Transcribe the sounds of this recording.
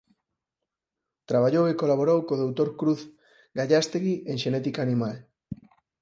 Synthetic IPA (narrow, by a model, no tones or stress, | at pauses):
t̪ɾaβ̞aʎowekolaβ̞oɾowkoðowt̪oɾkɾuθ | ɡaʎast̪eɣiʔeŋʃenɛt̪ikaːnimal